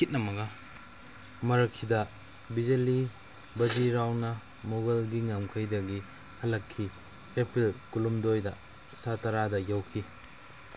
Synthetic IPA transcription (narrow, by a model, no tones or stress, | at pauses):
kit̚nɐmɐɡa | mɐɾɐkʰːidɐ | bizeli | bɐd͡ʒiɾawnɐ | moɡɐlɡiŋamkʰɐjdɐɡi | hɐlɐkʰːi | epɾilkulumdojdɐ | satɐɾadɐjawkʰi